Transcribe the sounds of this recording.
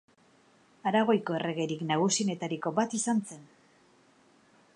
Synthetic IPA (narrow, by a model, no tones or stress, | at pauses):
aɾaɣ̞o̞jko̞ere̞ɣ̞e̞ɾiknaɣ̞usine̞t̪aɾiko̞bat̪isanse̞n